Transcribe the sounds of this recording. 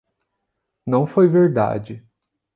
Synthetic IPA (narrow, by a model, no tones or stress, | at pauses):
nɐ̃w̃fojveɾd̪a̰d͡ʒɪ